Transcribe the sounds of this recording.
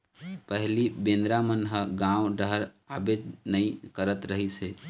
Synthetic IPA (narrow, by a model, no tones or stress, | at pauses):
pəɦlibẽːnd̪ɾamənɦəɡãːwɖəɦɾ | aːbed͡ʒnəĩkəɾət̪ɾəɦiseː